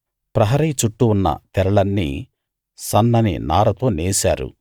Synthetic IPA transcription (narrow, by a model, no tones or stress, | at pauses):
pɾɐɦɐɾijt͡ʃuʈːuunːɐ̰t̪ɛɾɐɭɐnːḭ | sɐnːɐnḭnaːɾɐt̪o̞ːneːsa̰ːɾṵ